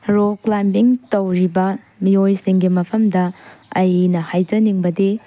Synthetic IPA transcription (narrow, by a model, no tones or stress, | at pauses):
ɾoklambiŋtɐwɾibɐ | miojsiŋɡimɐpʰɐmdɐɐjnɐhajd͡ʒɐniŋbɐdi